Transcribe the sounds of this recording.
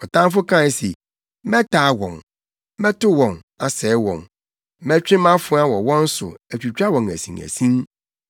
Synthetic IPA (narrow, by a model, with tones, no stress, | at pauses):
ɔ˨tʰã˦m˦fʊ˦kʰã˦˨˦se˨ | mɛ̃˦tʰaː˨˦wɔ̃˨n | mɛ̃˦tʊ˦wɔ̃˨n | a˨sɛː˨˦wɔ̰̃˨n | mɛ̃˦t͡ɕᶣɪ˦mã˦fʊ˦a˦wɔ˨wɔ̃˦n̩˦sʊ̰˨æ˨t͡ɕᶣu˨t͡ɕᶣa˦wɔ̃˨ŋæ̰˨sḭ̃˨ŋæ̰˨sĩ˦n